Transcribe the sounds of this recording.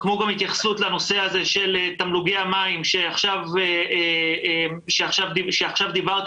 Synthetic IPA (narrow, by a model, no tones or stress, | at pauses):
kmo̞ɡamhit̪jaχsut̪lano̞se̞aze̞ʃe̞let̪amluɡeamaimʃe̞aχʃaveeemʃeaχʃavdiʃeaχʃavd̪ivaʁt̪